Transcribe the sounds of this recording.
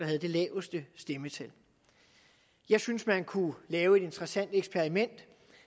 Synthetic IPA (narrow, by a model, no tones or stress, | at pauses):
ɑ̈ɦæð̞ˠd̥e̝lɛːʊəsd̥əsd̥emət͡sʰæl | jɑ̈ɪsynsmænkʰulɛːʊe̝d̥e̝nd̥ʁɐsæn̰d̥eɡ̥sb̥ʰeɐʁimen̰d̥